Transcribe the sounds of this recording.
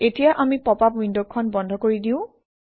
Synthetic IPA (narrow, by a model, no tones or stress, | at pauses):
etijaʔamipɔpapwindɔkʰːɔnbɔndʱɔkoɹidiʊ̃